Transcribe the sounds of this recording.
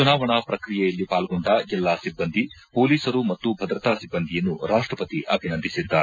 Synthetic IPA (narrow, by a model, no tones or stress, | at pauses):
t͡ʃunaːʋɐɳɐpɾɐkɾijɛjɐlːipaːlɡoɳɖɐd͡ʒɛlːaːsibːɐnd̪ʱi | po̞ːliːsɐɾumɐt̪ːubʱɐd̪ɾɐt̪aːsibːɐnd̪ʱijɐnːuɾaːʂʈɾɐpɐt̪iʔɐbʱinɐnd̪ʱisid̪ːaːɾe